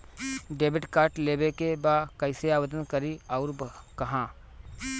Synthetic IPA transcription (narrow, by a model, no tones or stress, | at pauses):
ɖeːbɪʈkaːɾʈleːbekebaːkəɪseaːwəd̪ənkəɾiɔːɾkɐɦãː